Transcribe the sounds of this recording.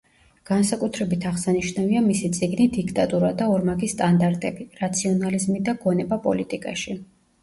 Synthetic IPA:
ɡ̥ansakʼut̪ʰɾɛbit̪ʰaʁsaniʃnaviamisit̪sʼiɡnid̪ikʰt̪ʼat̪ʼuɾad̪aɔɾmaɡist̪ʼand̪aɾt̪ʼɛbiɾat̪sʰiɔnalizmid̪aɡɔnɛbapʼɔ̰lit̪ʼikʼaʃi

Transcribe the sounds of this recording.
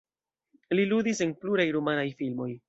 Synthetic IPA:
lilud̪ise̞npluɾajɾomanajfilmo̞j

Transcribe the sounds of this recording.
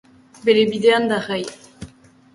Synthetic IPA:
belebid̪eand̪aʁaj

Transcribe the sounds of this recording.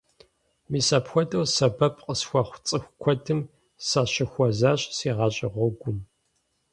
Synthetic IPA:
miːsapxʷɔtʼɐwsɐbɐpʼqʼəsxʷɐχʷt͡sʼɨxʷkʷʰɔtʰɨm | saɕɪxʷɔzaːɕʼsiːʁɑːɕʼɪʁʷɔɡʷʊm

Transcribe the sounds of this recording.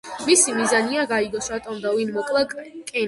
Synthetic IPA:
misimizaniaɡaiɡɔsɾat̪ʼɔmd̪avinmɔkʼlˠakʼɛ

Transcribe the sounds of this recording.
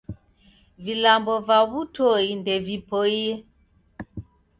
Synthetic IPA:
vilambɔvaβutʰɔindɛvipɔjɛ

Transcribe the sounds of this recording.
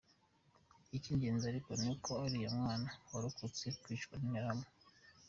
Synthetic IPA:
iciɲɟeːnziaɾikonikʰoaɾijamŋaːnaoɾukʰut͡sekwiːt͡ʃkaniɲaɾamo

